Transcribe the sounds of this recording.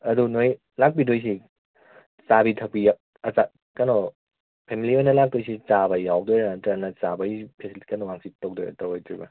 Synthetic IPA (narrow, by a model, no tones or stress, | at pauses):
ɐdunoj | lak̚bidojs̬i | sabitʰɐk̚pija | ɐsa | kɐnɔ | pʰemiliojnɐlak̚dojs̬it͡ʃabɐjawdojɾantɾanɐsabɐipʰesiliti̥kɐnɔŋaŋsitowk̚dojɾɐ̰tɐwojtɾibɐ